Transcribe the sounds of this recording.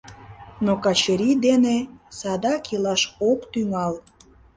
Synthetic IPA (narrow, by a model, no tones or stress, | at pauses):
nokɑt͡ɕəɾid̪enesɑd̪ɑkilɑʃokt̪yŋɑl